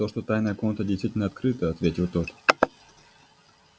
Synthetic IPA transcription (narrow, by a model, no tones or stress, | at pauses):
t̪oʂt̪o̞t̪ajnəjəkonət̪ədʲɪjst̪vʲitʲɪlʲnəɐt̪kɾɨt̪əɐt̪vʲetʲɪlˠt̪ot̪